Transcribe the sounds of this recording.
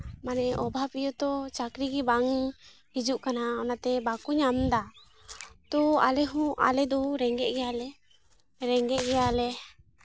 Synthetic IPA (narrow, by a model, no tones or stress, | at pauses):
manɛʔɔbʱapijɔt̪ɔt͡ʃakɾiɡibaŋ | hid͡ʒuʔkanaɔnat̪ɛbakuɲamd̪a | t̪ɔa̰lɛɦuʔa̰lɛd̪ɔɾɛŋɡɛʔɡɛjalɛ | ɾɛŋɡɛʔ̚ɡɛjalɛ